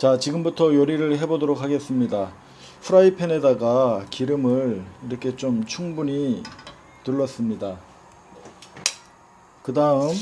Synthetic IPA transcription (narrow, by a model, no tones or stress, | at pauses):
t͡ɕat͡ɕiɡɯmbutʰʌjʌɾiɾɯɭɦe̞bodoɾokʰaɡe̞s͈ɯmɲida | pʰuɾaipʰe̞ne̞daɡakiɾɯmɯɭiɾʌkʰe̞t͡ɕomt͡ɕʰuŋbuɲi | tuɭːʌs͈ɯmɲida | kɯdaɯm